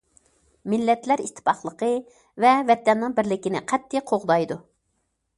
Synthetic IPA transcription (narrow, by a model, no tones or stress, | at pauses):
mɪlːɛt̪læɾist̪ʰɨ̥pɑχlˠəqə | vɛvɛt̪ːɛnːɨŋbɪɾlɪkʲinɪ̰qʰɛt̪ʰːɪqʰoʁd̪ɑjd̪u